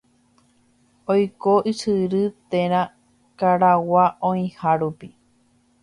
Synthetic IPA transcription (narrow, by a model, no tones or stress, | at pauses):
ojkoʔisɨɾɨt̪ẽɾ̃ã | kaɾawaʔõĩhaɾupi